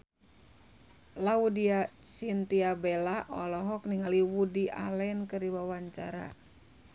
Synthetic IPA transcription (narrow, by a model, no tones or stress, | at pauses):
laudiat͡ʃint̪iabɛlaʔɔlɔɦɔk̚niŋaliwudiʔa̰lɛnkəriwawaɲt͡ʃa̰ɾa̰